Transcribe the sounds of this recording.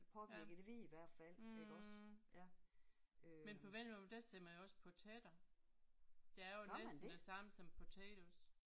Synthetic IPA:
pʰɒ̽ʋiɐ̰ɡ̥əd̥eʋiiʋæɐ̰d̥fæl̰eɒs | menpʰɒ̽ʋel̰mɔd̥æsemænjoɒ̽spʰɔt͡sʰed̥ɐ | d̥e̝æɐjoed̥n̥æsɑ̈m̰sɒ̽mpʰot͡sʰḛd̥us

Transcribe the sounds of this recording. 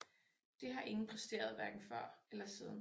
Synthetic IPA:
d̥e̝ɦɑ̈ʔe̝ŋn̩pʰʁɛsd̥e̝̰ːɐð̞ˠʋæɐɡ̥n̩fɶɐ̰elɐseðˠn̩

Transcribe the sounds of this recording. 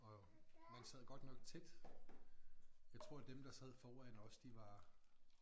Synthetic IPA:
ɒ̽mænsɛð̞̰ˠɡ̥ɒ̽d̥nɒ̽ɡ̥̚t͡sʰed̥ | jɑ̈ɪt͡sʰʁo̝ɐ̰d̥emd̥ɑ̈sɛð̞̰ˠfɒːænɒ̽sd̥iʋɑ̈

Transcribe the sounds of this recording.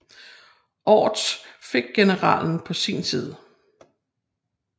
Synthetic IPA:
ʔɒ̰ːd̥sfe̝ɡ̥̚ɡ̥e̝nəʁɑ̰̈ːln̩pʰɒ̽siːnsiːð̞ˠ

